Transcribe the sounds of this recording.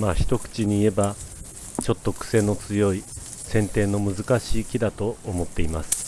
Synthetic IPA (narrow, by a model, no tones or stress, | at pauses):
maːçi̥t̪o̞kɯ̟̥t͡ɕiɲ̟iːe̞ba | t͡ɕo̞t̪ːo̞kɯ̟̥se̞no̞t͡sɨjo̞i | sẽ̞nt̪e̞ːno̞mɯ̟zɨkaɕiːkʲid̪at̪o̞ːmo̞t̪ːe̞imasɨ̥